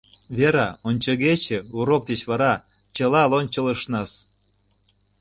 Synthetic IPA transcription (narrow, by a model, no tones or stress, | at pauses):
βʲeɾɑonʲt͡ɕə̆ɣet͡ɕĕuɾok̚d̪et͡ɕβɑɾɑ | t͡ɕɤ̆lɑlonʲt͡ɕɤ̆ləʃnɑs